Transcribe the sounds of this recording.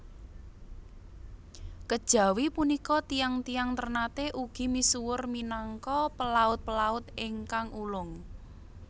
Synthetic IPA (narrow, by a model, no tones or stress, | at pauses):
kəd̥ʒ̥ä̤wipunikɔt̪ijaŋt̪ijaŋt̪ərnat̪eʔuɡ̥i̤misuwʊrminaŋkɔpəlaʊt̪̚pəlaʊt̪ɪŋkaŋulʊŋ